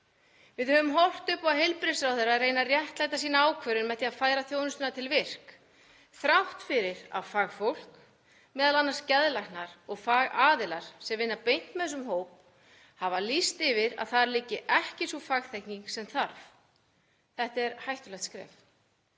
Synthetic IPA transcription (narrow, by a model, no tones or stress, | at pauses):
vɪðhœvʏmɦɔwl̥t̪ʏpaðɦejlpɾɪsɾawθɛrːaðreːjnarjɛht̪lajt̪asiːnaaːwkʰvœɾʏnmɛθjiaðfaːjɾaθjownʏst̪ʏnat̪ʰɪlvɪr̥k | θɾawht̪fɪɾɪɾa̰ðfaːɣfowl̥k | mɛːðalanːaɾ̥scɛðlajxnaɾ̥ɔɣfaːɣaːðɪlaɾ̥sɛmvɪnːapejn̥t̪mɛθɛs̬ːʏmɦowp̚ | havalist̪ɪvɪɾa̰ðθaɾlɪcːɪʔɛhcɪsɔfaːɣθɛhkniŋksɛmθaɾf | θɛht̪ɛɾhajht̪ʏlɛht̪skɾɛ̰ːf